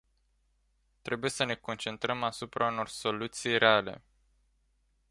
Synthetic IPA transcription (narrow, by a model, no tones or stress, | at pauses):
t̪ɾe̞buje̞səne̞ko̞nt͡ʃe̞nt̪ɾəmasupɾauno̞rso̞lut̪sijreale̞̰